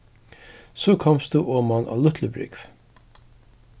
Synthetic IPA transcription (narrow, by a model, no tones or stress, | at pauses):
sɔkʰɔmst̪uʔoːmana̰lʊt̪ʰləbɾɪ̰kv